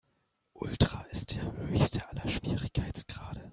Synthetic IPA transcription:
ʔʊ̰ltʁ̥aːʔɪst̚d̥eːɐhøːçstʰəʔalɐʃv̥iːʁɪçkʰaɪt͡sɡ̥ʁaːdə

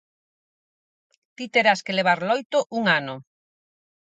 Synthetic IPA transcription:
t̪it̪eɾaskeleβaɾlojt̪oʔuŋano

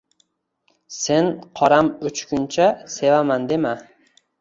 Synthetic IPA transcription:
se̞nqʰɒɾamʊt͡ʃkʰʲʊnt͡ʃʰase̞vamand̪e̞ma

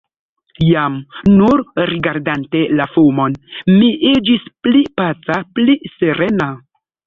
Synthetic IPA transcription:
jamnuɾɾiɡaɾdante̞lafumo̞nmiʔid͡ʒisplipat͡sapliseɾena

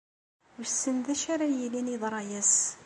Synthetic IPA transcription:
ɾsːənðæʃaɾajiliniðˤɾˤɑjæs

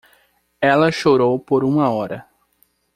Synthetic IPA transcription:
ɛlɐʃoɾowpoɾũmɐɔɾɐ

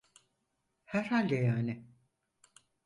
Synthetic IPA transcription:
hæɾhalʲd̪ejaːnɪ

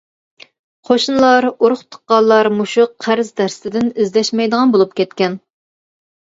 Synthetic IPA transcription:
qʰoʃunlˠɑɾuɾʊχt̪ʰə̥qːɑlˠːɑɾmuʃuqqʰæɾzd̪æɾsɪ̥t̪ʰɪd̪ɪnɪzlɛʃmɛjd̪əʁɑnbolˠup̚kʲʰɛt̪̚kʲɛn

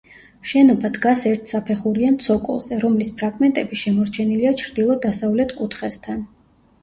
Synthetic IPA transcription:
ʃɛnɔbad̪ɡasɛɾt̪ʰsapʰɛχuɾiant̪sʰɔkʼṵlˠz̥ɛɾɔmlispʰɾaɡmɛnt̪ʼɛbiʃɛmɔɾt͡ʃʰɛniliat͡ʃʰɾd̪ilˠɔd̪asavlɛt̪ʰkʼut̪ʰχɛst̪ʰan

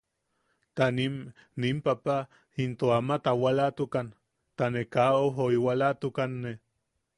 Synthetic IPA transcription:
t̪anim | nimpapa | int̪oamat̪awalat̪ukan | t̪anekaoɦoiwalat̪ukanːe

